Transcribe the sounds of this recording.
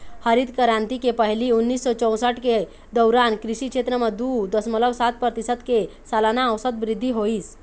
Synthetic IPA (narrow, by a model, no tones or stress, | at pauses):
həɾid̪kəɾãnt̪ikepəɦiliunːiːsːɔt͡ʃəw̃saʈke | d̪əwɾankɾiɕikʂet̪ɾəməd̪ud̪əsmələʋsat̪̚pəɾt̪isət̪kesalanaəʋsəd̪bɾid̪ʱːiɦoiːs